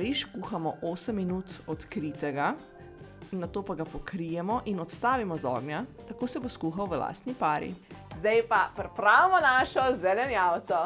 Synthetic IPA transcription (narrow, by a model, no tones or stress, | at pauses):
ɾiʃkuːxamɔʔoːsəmːinuːt̪ɔt̪kɾit̪ɛɡa | inːat̪oːpaɡapɔkɾijɛmɔʔinɔt̪st̪aːʋimɔzɔ̰ːɡnjat̪ɐkoːsɛboskuːxawʋəla̰ːst̪nipaːɾḭzd̪ajpapɾɛpɾaːwmɔnaːʃɔzɛlɛnjawt̪sɔ